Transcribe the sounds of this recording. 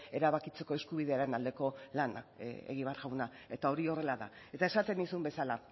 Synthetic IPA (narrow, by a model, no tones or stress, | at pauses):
e̞ɾaβakit͡se̞ko̞e̞skuβ̞iðe̞aɾe̞nald̪e̞ko̞lana̰ḛɣ̞iβaɾɣawna | e̞t̪ao̞ɾio̞re̞laða̰ | e̞t̪ae̞sat̪e̞nisumbe̞sala